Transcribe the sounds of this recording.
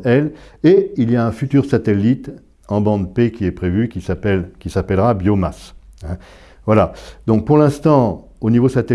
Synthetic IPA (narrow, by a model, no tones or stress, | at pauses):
ɛleiljaɛ̃fyt̪yʁsat̪elːit̪ | ɑ̃bɑ̃d̪pekʲiɛpχevykʲisapɛlkʲisapɛlʁabjomas | ɛ̃ | vwalad̪ɔ̃k̚puʁlɛ̃st̪ɑ̃ | onivosat̪e